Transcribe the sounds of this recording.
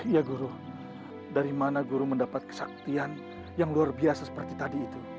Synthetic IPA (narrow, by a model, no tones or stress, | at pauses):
ijaɡuɾu | daɾimanaɡuɾuməndapat̪̚kə̥sa̰k̚t̪ian | jaŋluarbiasasə̥pərt̪it̪adiːt̪u